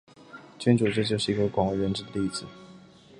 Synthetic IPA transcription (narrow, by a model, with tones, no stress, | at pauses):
t͡ɕʰɛ˧˥nʈ͡ʂu˨˩ʈ͡ʂɤ˥˧t͡ɕjo˥˧ʊʂɻ̩˥˩i˧˥ɡə˧kwɑ˨˩ŋwe˧˥ɥɛ˧˥nʈ͡ʂɻ̩˥˩d̪ə˩li˥˩d͡zɹ̩˨˩˦